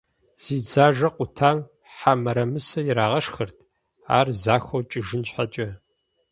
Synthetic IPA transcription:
z̥iːd͡zaːʒɐqʷʊtʰaːm | ħamɐɾɐmɨsɐjɪɾaːʁɐʂxɐrtʰ | a̰ːrzaːxʷɐwt͡ʃʼɪʒɨnt͡ʃħat͡ʃʼɐ

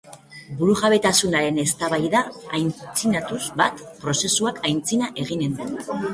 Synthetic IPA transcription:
buɾuʝaβe̞t̪asunaɾe̞ne̞st̪aβajðaːjnt͡sinat̪uzbat̪pɾo̞se̞suakajnt͡sinaʔe̞ɣine̞nd̪en

